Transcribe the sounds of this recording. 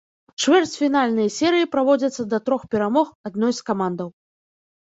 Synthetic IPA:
t͡ʂvʲɛrt͡sʲfʲinalʲnɨjɐsʲɛɾɨjipɾavɔd͡zʲɐt̪sːɐd̪ɐt̪ɾɔxpʲɛɾamɔxad̪̚nɔjskamand̪ɐw

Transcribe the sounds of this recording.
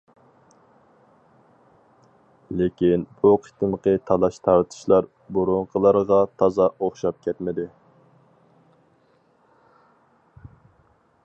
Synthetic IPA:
lɪkʲinbuqʰi̥t̪ɨmqət̪ʰɑlˠɑʃt̪ʰɑɾt̪ʰɨ̥ʃlˠɑɾ | buɾʊɴqʰəlˠɑɾʁɑt̪ʰɑzɑoχʃɑp̚kʲɛt̪mɪd̪ɪ

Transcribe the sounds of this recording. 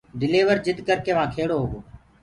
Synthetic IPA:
ɖɪleːʋəɾd͡ʒɪd̪kəɾkeːʋãːkʰeːɽoːɦʊɡoː

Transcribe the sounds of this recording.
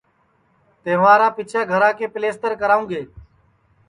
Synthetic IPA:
t̪eːʋãːɾaːpɪt͡ʃʰaːɡʱəɾãːkeːpɪleːst̪əɾkəɾaːũːɡeː

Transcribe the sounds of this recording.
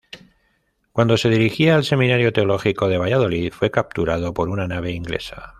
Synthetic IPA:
kwand̪o̞se̞ð̞iɾixiaːlse̞mĩnaɾjot̪eo̞lo̞xiko̞ð̞e̞β̞aʝað̞o̞liðfwe̞kap̚t̪uɾað̞o̞po̞ɾunanaβ̞e̞iŋɡle̞̰sḁ

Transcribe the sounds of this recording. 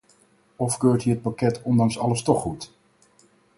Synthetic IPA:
ɔfkøːɹtɦiət̚pakɛtʰɔndɑŋsɑləstɔχːut

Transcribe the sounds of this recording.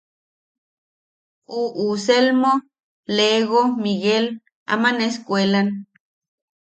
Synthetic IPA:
uʔuselmo | leɣomiɣel | a̰maneskʷelan

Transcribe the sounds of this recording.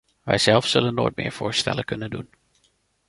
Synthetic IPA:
ʋɛjz̥ɛlˠfsɵlənːoːjt̚mɪːɹv̥oːɹstɛ̰ləkɵnəndun

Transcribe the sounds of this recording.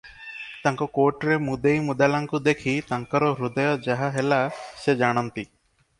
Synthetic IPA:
t̪aŋkɔkoʈɾemud̪ejmud̪alaŋkud̪ekʰit̪aŋkɔɾɔɾud̪ɔjɔd͡ʒaɦaɦelased͡ʒaɽ̃ant̪i

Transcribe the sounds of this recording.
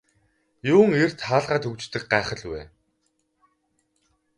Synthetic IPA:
jʊːŋer̥t̪ʰaːɮʁaːt̪ʰɵkt͡ɕt̪ɘ̆k̚ɢaːχə̆ɮwḛː

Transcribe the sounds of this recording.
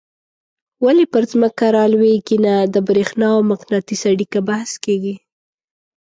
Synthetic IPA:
walipəɾzməkaɾɑlweɡinad̪əbɾexnɑawmaqnɑt̪isaɽikabahskeɡi

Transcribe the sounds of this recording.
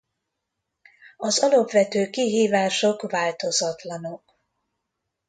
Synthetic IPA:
ɒzɒlɒpvɛt̪øːkiɦiːvaːʃo̞kvaːlt̪o̞zɒt̪lɒno̞k

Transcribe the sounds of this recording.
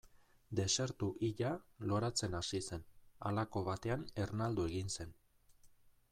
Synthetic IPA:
d̪e̞se̞ɾt̪uʔiʎalo̞ɾat͡se̞nasise̞na̰lako̞βat̪e̞ane̞rnald̪ue̞ɣinse̞n

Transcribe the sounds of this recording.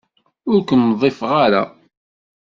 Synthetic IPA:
ʊɾkʷənːðˤɪfʁaɾa̰

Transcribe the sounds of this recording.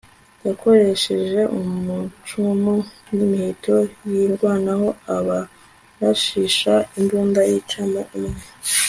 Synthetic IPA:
jakʰo̞ɾe̞ʃe̞ʒe̞ʔumut͡ʃumu | nimihitʰo̞jiɾɡwaːnaho̞aβa | βaʃiʃainbuːndajit͡ʃamoumŋe

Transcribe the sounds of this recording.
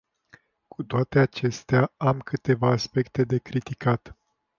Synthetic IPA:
kʰut̪oat̪e̞at͡ʃe̞st̪eaamkʰɨt̪e̞vaːspe̞kt̪e̞d̪e̞kɾit̪ikat̪

